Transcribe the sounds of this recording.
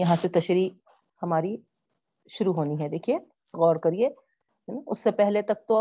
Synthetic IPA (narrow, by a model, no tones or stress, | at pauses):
jɐɦãset̪ɐʃɾi | hɐmaːɾi | ʃʊɾuɦoːniɦɛd̪eːkʰie | ɣɔːɾkɐɾie | ʊ̰sːepɛɦlet̪ɐk̚t̪oɐ